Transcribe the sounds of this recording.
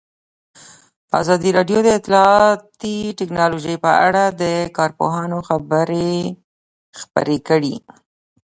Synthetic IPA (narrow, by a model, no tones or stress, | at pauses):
a̰zɑd̪iɾɑɖjod̪əɪt̪lɑt̪iʈɪknɑloʒəjpəa̰ɽad̪əkɑɾpo̰ɦɑnoxabəɾe | xpə̰ɾekəɽi